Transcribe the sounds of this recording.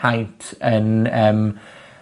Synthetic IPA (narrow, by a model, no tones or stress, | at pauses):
ajntʰənəːm